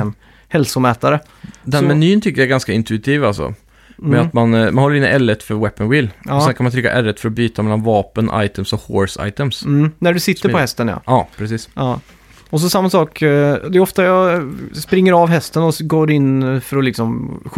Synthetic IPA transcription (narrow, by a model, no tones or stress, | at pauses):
n | hɛlsʊmɛːt̪aɾə | d̪ɛnmɛnyːənt̪ʰʏkːəjaæɾɡanskaɪnt̪ʉɪt̪ʰiːvalsɔ̰ | mɛat̪manmanɔlːəɾɪnːɪ̰ʔɛlːət̪fœɾwɛpːənwɪlːɔsɛnkʰanmant̪ʰɾʏkːa̰ʔɛɾət̪fœɾɔbyːt̪amɛlːanvɑːpənʔa̰jt̪ʰəmsɔho̰ːɾsa̰ɪt̪əmsnæɖɵsɪt̪ːəɾpʰɔhɛst̪ənja̰ɑːpʰɾɛsiːsɑː | ɔs̬ɔsamːasɑːkd̪ɛɔft̪ajɑspɾɪŋːəɾɑvɦɛst̪ənɔɡoːɾɪnːfœɾɔlɪksɔmɧ